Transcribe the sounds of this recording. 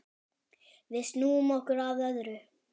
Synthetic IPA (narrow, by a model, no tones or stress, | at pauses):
vɪsnuːmɔhkʏɾavœðɾʏ